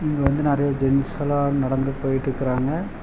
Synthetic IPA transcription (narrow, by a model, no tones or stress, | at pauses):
ɪŋɡɐʋɐnd̪ɯnɐɾɐjoːd͡ʒɛnsɐlaːnɐɽɐnd̪ɐpːoːjɪʈːɪɾɯkːɯɾaːŋɡɐ